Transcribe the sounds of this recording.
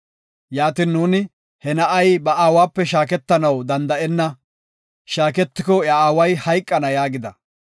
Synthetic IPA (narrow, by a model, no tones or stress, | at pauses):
jaːt̪iːnːuːnɪ | hɛnɐʔɐjbɐaːwaːpːɛʃaːkɛt̪ːɐnɐwd̪ɐnd̪ɐʔɛnːɐ | ʃaːkɛt̪ːɪkɔɐaːwɐjhɐjkʼːɐnɐjaːɡɪd̪ɐ